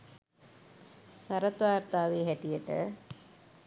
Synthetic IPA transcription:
saɾət̪ʋaːɾt̪aːʋeːɦæʈijəʈə̰

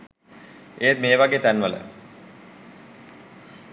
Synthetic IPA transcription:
eːt̪meːʋaɡeːt̪ænʋələ̰

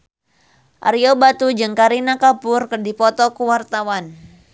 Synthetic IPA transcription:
ʔa̰ɾiobat̪ud͡ʒɨŋkaɾinakapʊrkərdipɔt̪ɔkuwart̪awan

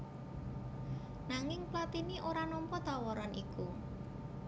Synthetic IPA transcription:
naŋɪŋplat̪iniʔoɾanɔmpɔt̪awɔɾɔnʔiku

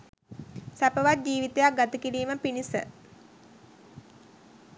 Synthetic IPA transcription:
sæpəʋat̪̚d͡ʑiːʋit̪ejak̚ɡat̪əkiɾiːməpinisə̰

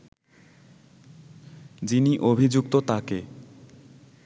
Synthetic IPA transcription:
d͡ʑiniʔobʱid͡ʑuk̚t̪ot̪ake

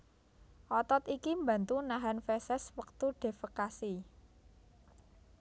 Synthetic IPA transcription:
ʔɔt̪ɔt̪ikimba̤nt̪unaɦanfɛsɛswək̚t̪uɖ̥e̤fəkasi

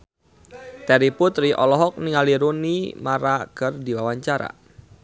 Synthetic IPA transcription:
t̪ɛɾiput̪riʔɔlɔɦɔk̚niŋaliɾunimaɾakərdiwawaɲt͡ʃaɾa̰

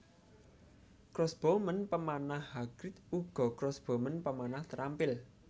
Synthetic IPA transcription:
kɾɔsb̥omənpəmanahhaɡ̥ɾɪt̪uɡ̥ɔ̤kɾɔsb̥omənpəmanaht̪əɾampɪl

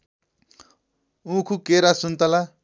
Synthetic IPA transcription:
ũkʰukeɾasunt̪ala

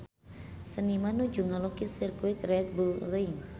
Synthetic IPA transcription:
sənimanud͡ʒuŋalokisirkuit̪rɛt̪̚bulrɛiŋ

